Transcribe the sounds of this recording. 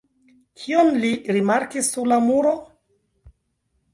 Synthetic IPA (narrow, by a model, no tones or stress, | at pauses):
kʰionliɾimaɾkisːuɾlamuɾo